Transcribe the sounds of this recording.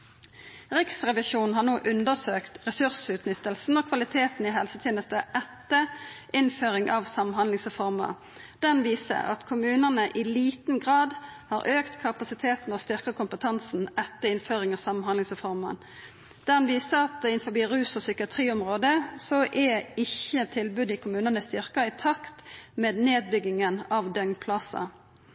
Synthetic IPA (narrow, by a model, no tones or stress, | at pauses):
ʁɪksʁɛʋɪʃuːn̩ɦɑːʁnoːʔʉnd̪əsøːkt̪ʁɛsʉʁsʉːt̪nʏt̪ːəlsn̩oːkʰʋɑlɪt̪ʰeːt̪n̩ɪɦɛlsət̪ʰeːnəst̪əʔɛt̪ːəʔɪnføːʁɪŋʔɑʋsɑmɦɑnd̪lɪŋsʁɛfɔʁmə̰ | d̪̥ɛnʋiːsə̰ʁɑ̰t̪kʰʊmʉːnənəʔɪliːt̪nɡʁɑːd̪hɑːɾʔøːkt̪kʰɑpɑsɪt̪ʰeːt̪n̩oːst̪ʏʁkəkʰʊmpət̪ʰɑnsn̩ɛt̪ːəɪnføːʁɪŋɑːʋsɑmnɦɑnlɪŋsʁɛfɔʁmɑ̰n | d̪̥æʁɑnʋiːsəɑt̪̚d̪ɛɪnfɔbiːʁʉːsɔsʏkɪɑt̪ʰʁiːʊmʁoːd̪əsɔʔɛɪçət̪ʰɪlbʉd̪ɪkʰʊmʉːnənəst̪ʏʁkəɪt̪ʰɑkt̪meːd̪neːd̪̚bʏɡɪŋənɑʋd̪œŋpʰlɑsɑ̰